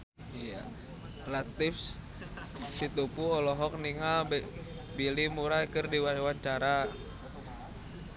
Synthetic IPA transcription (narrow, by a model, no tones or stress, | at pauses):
ija̰ | lat̪ifs | sit̪upuɔlɔɦɔk̚niŋalb | bilimuɾajkərdiwawaɲt͡ʃaɾa